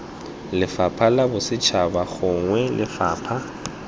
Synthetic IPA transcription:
lɪfapʰalabʊsɪt͡ʃʰabaɣʊŋwɛlʔɪfaːpʰa

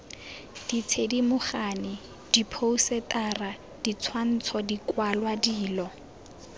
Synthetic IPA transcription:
d̥it͡sʰedimʊχanɪ | d̥ipʰousɛtʼara | d̥it͡sʰwan̩t͡sʰɔdikwalwadiːlɔ

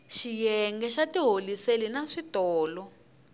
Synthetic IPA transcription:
ʃijɛŋɡɛʃatiɦoliselinaʂitɔːlɔ

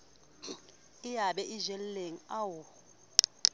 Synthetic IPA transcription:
ɪjaɓɛʔiʒɛlleŋ̩awɔ

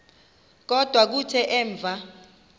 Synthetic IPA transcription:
k̬ɔd̥ʱwak̬utʰɛʔɛːɱb̪vʱa

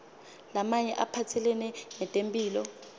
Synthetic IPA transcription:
lamaɲɛʔapʰatʰɛlɛnɛnɛtʼempʼiːlɔ

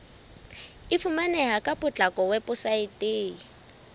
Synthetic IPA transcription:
ɪfʰumanɛɦakʼapʼʊt͡ɬʼakʼɔwɛpʼʊsaɪtʼɪː

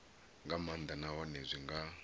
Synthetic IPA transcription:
ŋɡamand̪anawanezʷiŋɡa

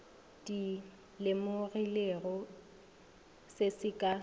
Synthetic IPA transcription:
di | lɪmʊrɪleɣɔ | sesɪkʼa

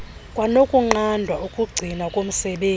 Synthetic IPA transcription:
kʼwanokʼuŋ͡ǃandʱwaukʼuɡ͡ǀʱinakʼom̩sɛɓeː

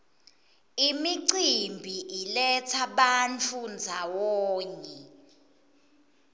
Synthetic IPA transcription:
imiǀimbʱiʔilɛt͡sʰaɓant͡fʰund͡zʱawɔːɲɛ

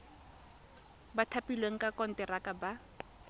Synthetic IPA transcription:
batʰapilweŋ̩kʼakɔn̩tɛrakʼaba

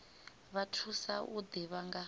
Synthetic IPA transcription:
βatʰusaʔud̪iβaŋɡa

